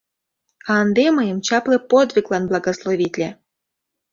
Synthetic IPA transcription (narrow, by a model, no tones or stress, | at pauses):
ɑnd̪emɤjəmt͡ɕɑplepod̪vʲiklˠɑnblˠɑɡoslˠovʲit̪ʲlʲæ